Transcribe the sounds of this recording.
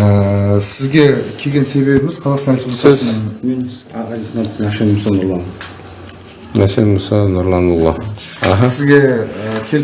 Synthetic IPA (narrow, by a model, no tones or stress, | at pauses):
əsɪzɡʲe̞kʲʰe̞ɡʲe̞nse̞be̞bɪmɪzqʰɑlˠɑsənɑjssɪzszmenː | ɾiχnat̪ːəɑʃenmsonʊɾlˠɑn | næsenmʊsɑnʊɾlˠɑnulˠːɑa̰ɦɑsɪzɡʲe̞əkʲʰe̞l